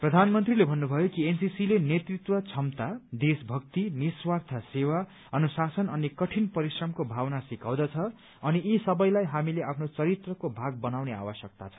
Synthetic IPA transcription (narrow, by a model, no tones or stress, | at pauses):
prʌd̪ʱanmʌnt̪rilebʱʌnːubʱʌjokiensisilenet̪rit̪wʌt͡sʰʌmt̪ad̪esbʱʌk̚t̪iniswart̪ʰʌsewa | ʌnusasʌnʌnikʌʈʰinpʌɾisrʌmkobʱawnasikaw̃d̪ʌt͡sʰʌ | ʌniisʌbʌjlajɦamileapʰnot͡sʌɾit̪rʌkobʱaɡ̚bʌnawnea̰wʌsjʌk̚t̪a̰t͡sʰʌ̥